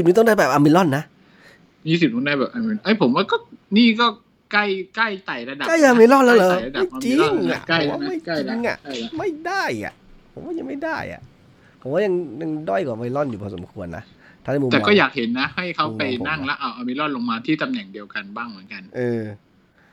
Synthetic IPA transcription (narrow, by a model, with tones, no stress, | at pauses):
si˨˩nɯ˧t̪ɔ˥˩ŋda˥˩bɛː˨˩p̚ʔaː˧mi˧lɔ˥˩nːa˦˥ʔ | miː˧˥˩s̬i˨˩t̚nɔ˥˩ŋda˥˩bɛː˨˩p̚ʔa˧mi˧˨ʔa˦˥˩jpʰo˩˦mwaː˥˩kɔː˥˩niː˥˩kɔː˥˩ | ka˥˩jka˥˩jt̪a˨˩jla˧da˨ka˥˩jʔaː˧mi˧lɔ˥˩nlɛː˦˥wlɛː˧˨˩a˧da˨˥˩jt͡ɕi˧˥ŋa̰˨˩ʔa˥˩˦waː˥˦ma˥˩ji˧ŋʔa̰˨˩ʔma˥˩jda˥˩ja̰˩ʔpʰo˨˩˦mwaː˥˩ja˧ŋma˥˩jdaː˥˩jʔa̰˨˩ʔ | pʰo˨˩˦waː˥˩ja˧ŋja˧ŋdɔ˥˩jkɔː˨˩˧mi˧˩lɔ˥˩njuː˨˩ɔː˧˩so̰˨˩˦mkʰu˧ənːa̰˦˥ | t̪ʰaː˥˩n˧˩muː˧ɛː˨˩bkɔː˥˩jaː˨˩k̚he˩˦nːa˦˥ha˥˩jkʰa˦˥wpa˧jna˥˩ŋlɛ˦˥wʔa˧˩wʔaː˧mi˧˥lɔ˥˩nlo˧ŋmaː˧t̪ʰiː˥˩t̪a˧mnɛ˨˩ŋdi˧əwka˧nbaː˥˩ŋmɯ˨˩˦nka˧nʔɤː˧